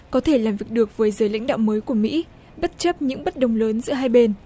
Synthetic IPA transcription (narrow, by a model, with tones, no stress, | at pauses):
kɔ˨˦t̪ʰe˧˩laː˨˩mvi˨˩k̚ɗɨ˨˩ək̚vəː˨˦jzəː˨˩jla̰˧˥ŋ̟ɗa̰ː˧˨wməː˨˦jku˧˩əmḭ˧˥ | ɓə˦˥t̚t͡ɕə˦˥p̚ɲɨ̰˧˥ŋɓə˦˥t̚ɗə˨˩wŋ͡mləː˨˦nzɨ̰˧˥əɦaː˧jɓe˧n